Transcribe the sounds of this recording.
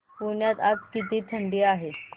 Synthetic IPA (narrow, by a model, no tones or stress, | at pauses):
puɾɳjat̪ad͡zkit̪̬iːt̪ʰəɳɖiːaɦe